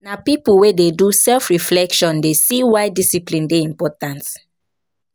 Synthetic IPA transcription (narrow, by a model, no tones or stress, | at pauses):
napipuwededusɛlfɹiflɛkʃɔ̃ndesiwajdisiplĩndeĩmpɔtãnt